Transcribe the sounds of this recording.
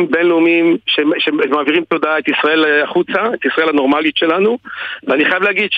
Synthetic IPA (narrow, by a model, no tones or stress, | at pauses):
mbe̞nlumimʃeʃemaːviʁimt̪o̞d̪ae̞t̪isʁae̞laχut͡saet̪isʁaelhano̞ʁmalit̪ʃelanuveaniχajavlehaɡid̥ʃ